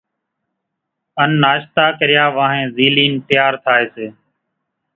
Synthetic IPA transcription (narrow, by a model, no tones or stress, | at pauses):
ənːaːʃt̪aːkəɾɪjaːʋãːɦẽːziːliːnp̪ɪjaːɾt̪ʰaːeːseː